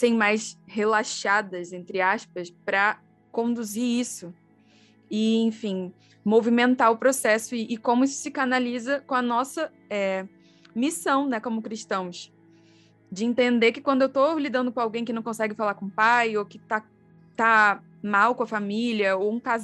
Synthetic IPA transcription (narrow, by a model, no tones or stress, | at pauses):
sẽj̃majshelaʃad̪ɐzẽnt̪ɾɪaʃpɐspɾɐ | kõnd̪uziɾisʊ | ɪẽj̃fĩ | movimẽnt̪aɾʊpɾosɛsʊɪʔːkõmʊisʊ̥sɪkanalizɐkõɐnɔsɐ | ɛ | misɐ̃w̃nɛkõmʊkɾiʃt̪ɐ̃w̃s | d͡ʒɪẽnt̪ẽnd̪ekɪkwɐ̃nd̪ʊewt̪olid̪ɐ̃nd̪ʊkõawɡẽj̃kɪnɐ̃w̃kõsɛɡɪfalaɾkõũpajokɪ̥t̪a | t̪a | mawkõɐfamilɐowũkaz